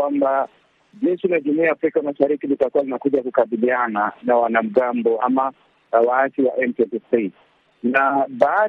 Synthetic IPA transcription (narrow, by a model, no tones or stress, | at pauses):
wamba | d͡ʒɛʃilaʄumuiaːfɾikamaʃaɾikilitakuwalinakuʄakukaɓiliananawanam̩ɡambɔa̰ma | waːsiwaʔɛmpɛtisi | naɓa